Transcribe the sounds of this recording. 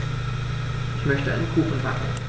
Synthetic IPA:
ʔɪçmœçtəʔa̰nnkʰuːxn̩vaːkn̩

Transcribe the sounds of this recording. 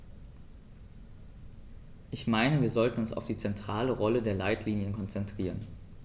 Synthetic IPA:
ʔɪçmaɪnəviːɐzɔltn̩ʊnsa̰ʊfd̥iːt͡sɛntʁ̥aːləʁɔlədeːɐlaɪtʰliːnjənkʰɔnt͡sɛntʁ̥iːʁən

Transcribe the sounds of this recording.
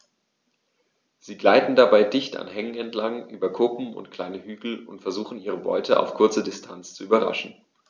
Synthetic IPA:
z̥iːɡlaɪtn̩dabaɪdɪçta̰nɦɛŋənɛntlaŋʔyːbɐkʰʊpm̩ʊ̰ntkʰl̥aɪnəhyːɡl̩ʊ̰ntfɛɐzuːχn̩iːʁ̞əbɔ̰ʏtʰəʔa̰ʊfkʰʊɐt͡sədɪstʰant͡st͡suʔyːbɐʁa̰ʃn̩

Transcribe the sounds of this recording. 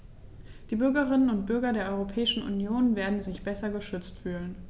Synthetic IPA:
d̥iːbʏɐɡɐʁ̞ɪnənʊnt̚b̥ʏɐɡɐdeːɐʔɔʏʁopʰɛːɪʃn̩ʔṵnjoːnveːɐdn̩zɪçb̥ɛsɐɡəʃʏt͡stfyːlən

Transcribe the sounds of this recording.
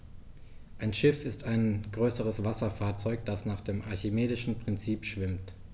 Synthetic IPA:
ʔaɪnʃɪfɪstaɪnɡ̥ʁøːsəʁ̞əsv̥asɐfaːɐt͡sɔʏkd̥asnaːχd̥eːmʔaɐçɪmeːdɪʃn̩pʁ̥ɪnt͡siːpʃv̥ɪmt

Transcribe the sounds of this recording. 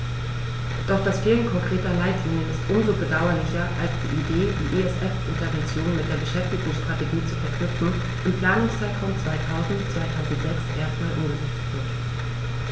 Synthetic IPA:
d̥ɔχd̥asfeːlənkʰɔŋkʁ̥eːtɐlaɪtlɪŋəɪstʔʊmzobədaʊɐlɪçɐʔa̰lsd̥ḭːʔideːdḭːʔeɛsʔɛfʔɪntɐvɛnt͡sjoːnmɪt̚d̥eːɐbəʃɛftɪɡʊŋsʃtʁ̥ateɡiːt͡sufɛɐkʰnʏpp͡fn̩ | ʔɪmpl̥aːnʊŋst͡saɪtʁ̥amt͡sv̥aɪtʰaʊzn̩tt͡sv̥aɪtʰaʊzn̩tz̥ɛksʔeːɐstmaːlʔʊmɡəzɛt͡stv̥ɪɐt

